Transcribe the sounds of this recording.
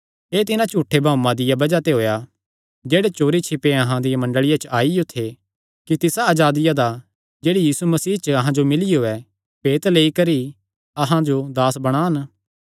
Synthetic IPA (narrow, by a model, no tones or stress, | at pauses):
eːt̪ɪnãt͡ʃuːʈʰːebʱãːmãd̪ɪjabɐd͡ʒat̪eɦoːja | d͡ʒeːɽet͡ʃoːɾit͡ʃʰɪpeɐɦãd̪ɪjamɐ̃ɳɖəɭɪjat͡ʃəʔaːiot̪ʰːe | kit̪ɪsaɐːd͡ʒaːd̪ɪjad̪a | d͡ʒeːɽijiːsumɐsiːt͡ʃəɐɦãd͡ʒomɪlɪjoːɛ | peːt̪leːikɐɾi | ɐɦãd͡ʒod̪aːsbɐɽ̃aːn